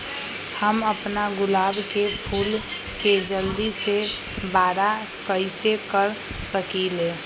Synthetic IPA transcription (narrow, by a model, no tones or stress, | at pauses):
həməpnaɡʊlaːbkepʰuːlked͡ʒəld̪ise | baːɾa | kəɪsekəɾ | səkileː